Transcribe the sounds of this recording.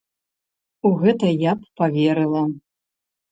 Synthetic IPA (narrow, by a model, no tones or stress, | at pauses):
uɣɛt̪ɐjapːavʲeɾɨlˠɐ